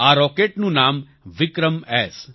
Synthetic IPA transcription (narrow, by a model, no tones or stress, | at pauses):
aːɾɔːkeːʈnũnaːm | ʋɪkɾəmɛːs